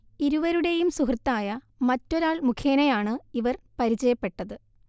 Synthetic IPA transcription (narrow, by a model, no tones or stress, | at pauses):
iɾuʋɐɾuɽe̞jumsuɦrt̪ːaːjɐ | mɐtːo̞ɾaːɭmukʰːjeːnejaːɳɨiʋɐrpɐɾit͡ɕːɐjɐpːe̞ʈːɐðɨ